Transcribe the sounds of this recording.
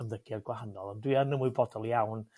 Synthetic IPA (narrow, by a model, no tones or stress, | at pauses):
əmðəɡ̥ɛrɡwahanɔlˠɔndwianəmuɨbɔdɔlˠjawn